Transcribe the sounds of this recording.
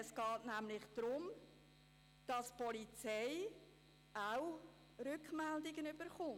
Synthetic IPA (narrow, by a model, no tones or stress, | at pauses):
ɛsɡ̥ɑːtnæmlɪχd̥ɾʊm | d̥ɑspɔlit͡sɛɪ | aw | rʏkmɛldɪɡənyb̥əɾχʊn